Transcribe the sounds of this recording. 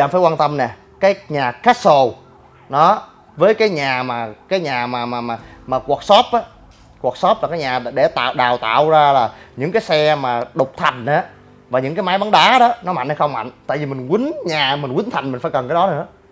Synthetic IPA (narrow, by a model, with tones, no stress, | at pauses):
aː˧˩faː˧˩˦kwaː˧nt̪ə˧mnɛ˨˩ | kaː˨˦jɲaː˨˩xaː˦˥t̚so˧˩ | ɗɔ˨˦ | vəː˨˦jkaː˨˦jɲaː˨˩maː˨˩kaː˨˦jɲaː˨˩maː˨˩maː˨˩maː˨˩maː˨˩ku˨˩k̚sɔ˦˥p̚ʔaː˨˦ | kwaː˨˩k̚sɔ˦˥p̚laː˨˩kaː˨˦jɲaː˨˩ɗe˧˩t̪a̰ː˧˨wɗaː˨˩wt̪a̰ː˧˨wzaː˧laː˨˩ɲɨ̰˧˥ŋkaː˨˦jsɛ˧maː˨˩ɗʊ˨˩k͡p̚t̪ʰa˨˩jŋ̟ʔaː˨˦ | vaː˨˩ɲɨ̰˧˥ŋkaː˨˦jmaː˨˦jva˨˦nɗaː˨˦˥ɗɔ˨˦nɔ˨˦ma̰˧˨ŋə˨˦xə˧wŋ͡mma̰˧˨jŋ̟t̪a̰ː˧˨jvi˨˩mï˨˩ŋ̟kwï˨˦ŋɲaː˨˩mï˨˩ŋ̟wi˨˦n̟t̪ʰa˨˩jmï˨˩ŋ̟faː˧˦jkə˨˩nkaː˨˦jɗɔ˨˦nɨ̰˧˥ə